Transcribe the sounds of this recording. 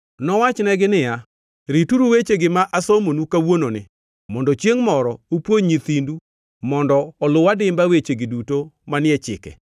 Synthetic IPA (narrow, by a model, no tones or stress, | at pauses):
nɔwat͡ʃnɛɡɪnɪja | ɾituɾuwet͡ʃeɡɪmaʔasomonukawononɪ̰ | mɔndɔt͡ʃjeŋmɔɾɔupwoɲɲit̪indu | mɔndɔːlʊwadɪmbawet͡ʃeɡɪdutomanɪɛt͡ʃɪ̰kɛ̰